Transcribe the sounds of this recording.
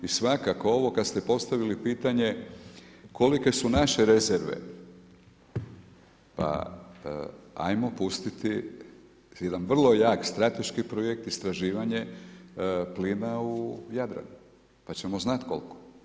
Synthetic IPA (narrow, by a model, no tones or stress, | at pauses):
isʋakakoo̞ʋo̞kad̪st̪epo̞st̪aʋilipiːt̪aɲe̞ | kʰo̞like̞sunaʃe̞ɾeze̞ɾʋḛ | pa̰ | a̰jmo̞pust̪it̪i | jed̪anʋr̩lˠo̞jaːkst̪ɾat̪e̞ʃkipɾojek̚t̪ist̪ɾaʒiːʋaɲe̞ | pliːnaujad̪ɾa̰nu | pat͡ɕe̞mo̞znat̪ko̞̰lko̥